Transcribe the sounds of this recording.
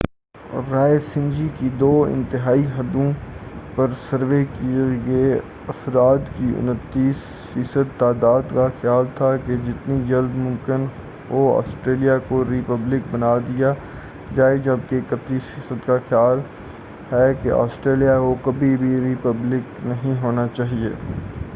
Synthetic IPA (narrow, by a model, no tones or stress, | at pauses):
ɾaːesɪ̃nd͡ʒikid̪oːɪ̰̃nt̪ɪɦaːiɦɐd̪õpɐɾsəɾʋekiɡe | ɐfɾaːt̪kiʊ̰nət̪ːiːsfiːsəd̪̚t̪aːd̪aːd̪kaxɪjaːlt̪ʰaked͡ʒɪt̪nid͡ʒɐld̪mʊ̃mkɪn | oa̰ːsʈɾeːlijakoɾipəblɪkbɐnaːd̪ija | d͡ʒaːed͡ʒɐb̚kekɐt̪ːiːsfiːsəd̪kaxjaːl | hɛkeʔa̰ːsʈɾeːlijaʋokɐbʱibʱiɾipəblɪknɐɦĩɦoːnat͡ʃaːɦiḛː